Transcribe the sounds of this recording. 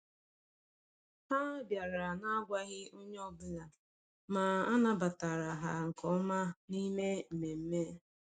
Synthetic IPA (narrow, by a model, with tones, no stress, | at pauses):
ha˦bja˨ɾa˨na˦ɡʷa˦ɣɪ˦ʊ˦ɲ˦ɔ˦˨bʊ˦la˨ | ma˨a˦na˦ba˨ta˨ɾa˨ɦa˨ŋ̩˨kɔ˦ma˦ni˦me˦m̩˨me˨m̩˦me˦